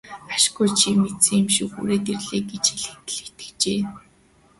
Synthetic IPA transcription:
aʃɡujt͡ɕʰimet̪sɘ̆ŋimʃuxṵːɾeːt̪erɮeːɡet͡ɕxeɮɘ̆xt̪ɘ̆ɮet̪ɘ̥̆kt͡ɕeː

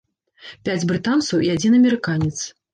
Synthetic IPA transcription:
pʲad͡zʲbɾɨt̪ant̪sɐwʔiad͡zʲinɐmʲɛɾɨkanʲɛt̪s

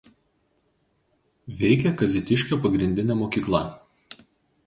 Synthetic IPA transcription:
ʋʲɛɪkʲɛkɐzʲɪt̪ʲɪʃʲkʲopɐɡɾʲɪnʲd̪ʲɪnʲɛːmoːkʲiːklˠɐ

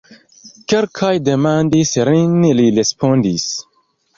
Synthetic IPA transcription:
kelkʰajdemand̪isɾinililespond̪is

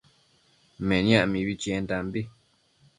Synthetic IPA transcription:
mẽɲãʔmĩβit͡ʃĩend̪ambi

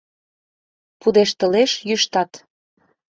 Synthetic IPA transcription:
pud̪eʃt̪ə̆leʃjyʃt̪ɑt̪

